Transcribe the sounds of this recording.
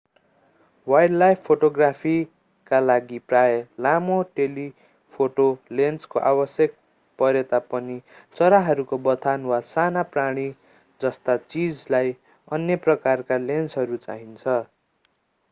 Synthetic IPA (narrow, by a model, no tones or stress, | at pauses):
wajɽlajpʰpʰːoʈoɡrapʰi | kalaɡiprajelamoʈeli | pʰoʈolenskoʔabʌsjek̚ | pʌɾet̪apʌnit͡sʌɾaɦʌɾukobʌt̪ʰanwasanapraɽ̃i | d͡zʌst̪at͡sid͡zlaj | ʌnjʌprʌkarkalensɦʌɾut͡sa̰ɦint͡sʰʌ